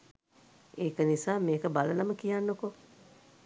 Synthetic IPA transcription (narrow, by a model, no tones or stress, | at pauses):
eːkənisaːmeːkəbalənaməkijanːoko